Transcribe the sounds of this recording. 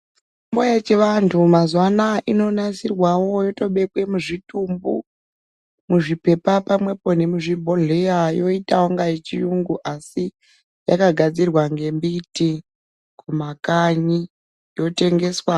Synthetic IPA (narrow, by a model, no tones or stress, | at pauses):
t͡ʃ | imbojet͡ʃeʋantʰumazwanaʔino̞nasirwawo̞jo̞to̞ɓe̞kwe̞muʐitumbu | muʐipe̞papamwe̞po̞ne̞muʐibʱo̞ɮejajo̞itawoŋɡajet͡ʃijuŋɡuʔasi | ja̰kaɡʱad͡zirwaŋɡe̞mbiti | kumakaɲi | jo̞te̞ŋɡe̞swa